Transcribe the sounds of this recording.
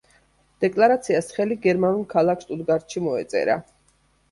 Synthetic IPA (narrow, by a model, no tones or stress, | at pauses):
d̪̥ɛkʼlˠaɾat̪sʰiasχɛliɡɛɾmanulˠkʰalˠakʰst̪ʼud̪ɡaɾt̪ʃimɔɛt̪sʼɛ̰ɾa̰